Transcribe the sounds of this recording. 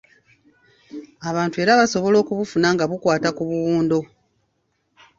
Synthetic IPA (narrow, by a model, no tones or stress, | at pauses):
aβaːntue̞ːɾaβaso̞βo̞lo̞ːkuβufunaŋɡaβukwaːtakuβuwuːndo̞